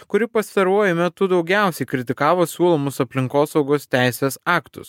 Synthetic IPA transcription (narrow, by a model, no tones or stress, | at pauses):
kʊɾʲɪpɐst̪ɐɾuɔjʊmʲɛt̪ʊd̪ɒʊɡʲæˑʊsʲɛɪkɾʲɪt̪ʲɪkɑːʋoːsʲuːlˠoːmʊsɐpʲlʲɪŋkoːsɒʊɡoːst̪ʲæˑɪsʲeːsɑːkt̪ʊ̰s